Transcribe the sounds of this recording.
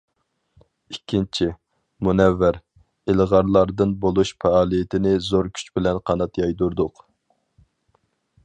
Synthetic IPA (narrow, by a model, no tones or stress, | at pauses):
ikʲʰːint͡ʃʰi | munɛvːæɾ | ɪlʁɑɾlˠɑɾd̪ɨnbolˠuʃpʰɛɑːlˠijɪt̪ʰɪnɪzoɾkʲʰy̥t͡ʃbɪlɛnqʰɑnɑt̪jɑjd̪uɾd̪ʊq